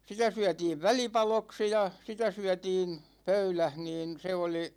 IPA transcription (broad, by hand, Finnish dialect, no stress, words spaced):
sitæ syætiːʋ ʋælipɑloksi jɑ sitæ syætiːn pøylæh niːn se oli